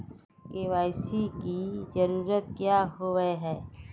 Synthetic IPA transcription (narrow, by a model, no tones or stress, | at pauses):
keːʋaːɪsikizɐɾuːɾət̪̚kjaɦoʋəeɦɛː